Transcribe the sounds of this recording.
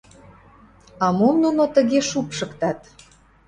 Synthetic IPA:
ɑmomnunot̪əɣeʃupʃə̆kt̪ɑt̪

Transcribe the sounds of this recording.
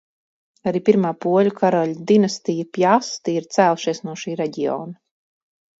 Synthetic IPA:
aɾiːpʲiɾmaːpuɔlʲukʰaɾɔlʲd̪inast̪ijapʲjast̪iiɾt̪sæːlˠʃiɛsnuɔʃiːɾɛɟiɔ̰ːna

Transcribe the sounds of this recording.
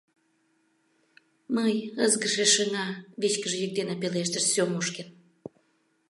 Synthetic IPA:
məjəzɣəʃeʃəŋɑβit͡ɕkəʒejək̚d̪enɑpeleʃt̪əʃsomoʃken

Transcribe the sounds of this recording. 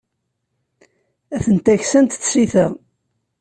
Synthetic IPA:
æθənt̪æçsænt̪θːiθæ

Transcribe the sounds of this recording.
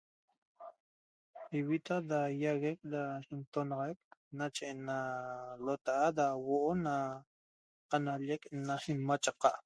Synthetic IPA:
iwit̪adajaɣek̚daint̪onɑʁajk̚nat͡ʃeʔnalot̪aʔadawoʔona | qanaʎeknasinmat͡ʃaqɑʔ

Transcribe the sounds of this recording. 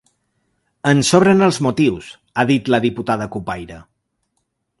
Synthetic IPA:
ənsɔβɾənəlˠzmut̪iws | aðit̪ləðiput̪aðəkupajɾə

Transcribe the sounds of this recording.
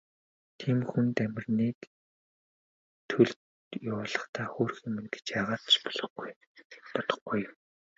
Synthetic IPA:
t̪ʰiːmxunt̪æmʲɪ̆rniːk | t̪ʰɵɮt | jʊːɮə̆χt̪ʰaːxoːrximɘ̆nɡe̥t͡ɕaʁaːt̪ʃpɔ̥ɮɞ̆χɡuj | p̪ɔt̪ɞ̆χɡuj

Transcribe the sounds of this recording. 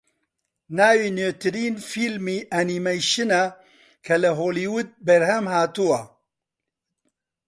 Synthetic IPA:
naːwiːnøːt̪ɨɾiːnfiːlmiːʔɐnimejʃɨna | kʰɐlɨɦoːliːwut̪̚bɛɾɦɛmhaːt̪uwɐ

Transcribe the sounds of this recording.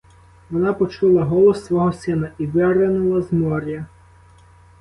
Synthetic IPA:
ʋɔnɑpɔt͡ʃulˠɐɦɔlˠɔsːʋɔɦɔsɪnɐiʋɪɾenʊlˠɐzmɔɾʲjɐ

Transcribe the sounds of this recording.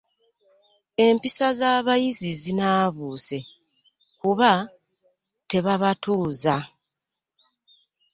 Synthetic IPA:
e̞mpisazaːβajizizinaːβuːse̞ | kuβa | te̞βaβatuːza

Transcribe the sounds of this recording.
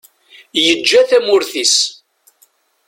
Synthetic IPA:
jəd͡ʒːæθæmʊɾθis

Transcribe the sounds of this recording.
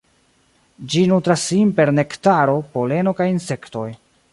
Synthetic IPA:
d͡ʒinutɾasːimpe̞ɾne̞ktaɾo̞po̞le̞no̞kajinse̞kto̞j

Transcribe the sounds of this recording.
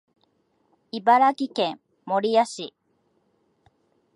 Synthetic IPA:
ibaɾakikẽŋ | moɾiaɕi

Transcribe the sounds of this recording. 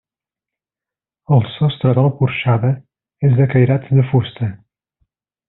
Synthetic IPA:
ɐlˠsɔst̪ɾɐðalˠkuɾʃaðɐ | ɛzðɐkɐjɾat̪d̪ɨfust̪ɐ

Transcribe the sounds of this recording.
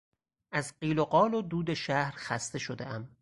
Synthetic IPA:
ʔæzɢiːloɢɒːlod̪uːd̪eʃæhɾxæst̪e̞ʃod̪ḛʔæm

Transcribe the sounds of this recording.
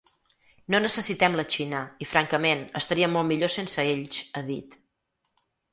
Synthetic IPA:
nonəsəsit̪ɛmlət͡ʃinəifɾaŋkəmenəst̪əɾiəmolˠmiʎosensəeʎʃəðit̪

